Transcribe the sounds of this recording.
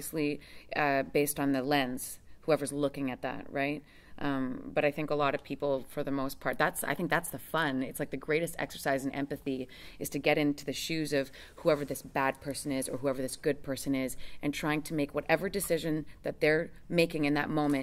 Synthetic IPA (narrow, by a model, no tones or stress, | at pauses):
ɨsliʌbeɪstn̩ðɨlɛ̃nz̥huɛvə˞zlʊkɪ̃ŋɨt̪̚ðæ̰t̚ɹaɪt̚ | ʔʌ̃mb̥ʌɾaɪθɪ̃ŋkəlɔɾʌv̥pʰipl̩ˠfə˞ðɨmoʊspʰɑɹt̪̚ðætsa̰ɪθɪ̃ŋk̚ðætsðəfʌ̃nɨtslaɪk̚ðɨɡɹeɪɾɨstɛ̰ksə˞saɪzɨ̃n̩ɛ̰̃mpɨθiɨz̥tʰɨɡɛɾɪ̃ntʰʉðɨʃʉzʌv̥ | huɛvə˞ðɪsb̥æd̚pʰɜ˞sɨ̃nɪzə˞ɦuɛvə˞ðɪsɡ̥ʊd̚pʰɜ˞sɨ̃nɪzʔɨ̃ntʰɹ̥aɪɪ̃ŋtʰɨmeɪkwʌɾʔɛvə˞dɨsɪʒɨ̃nðɨt̪̚ðə˞ | meɪkɪ̃ŋɨ̃nðɨ̰t̚mõʊ̃mɨ̃